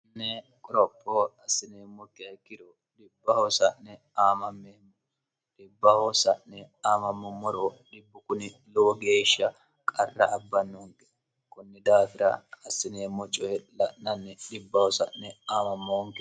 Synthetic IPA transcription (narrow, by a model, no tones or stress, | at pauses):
nːɛ | kʼɔɾɔpʼːɔɐsːɪneːmɔkːɪɐkːɪɾɔ | ɗɪbːɐhɔsɐʔnɛ | aːmɐmːem | ɗɪbːɐhɔsɐʔnɛaːmɐmːɔmːɔɾoɗɪbːʊkʊnɪ | loːɡeːʃːɐ | kʼɐrːɐ̰ʔːbːɐnːɔŋkʼɛ̥ | kʊnːɛd̪aːfɪɾɐ̰ːsːɪneːmɔt͡ʃʼɔɛlɐʔnɐnːɛɗɪbːɐhɔsɐ̰ʔnɛaːmɐmːoːŋkɛ